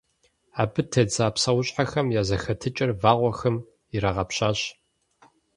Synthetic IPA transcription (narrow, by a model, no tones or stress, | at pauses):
aːbɨtʰɐd͡zaːpsɐwʊɕʼħaxɐmjaːzɐxɐtʰɨt͡ʃʼɪrvaːʁʷɔxɐm | iɾaʁɐpɕaːɕ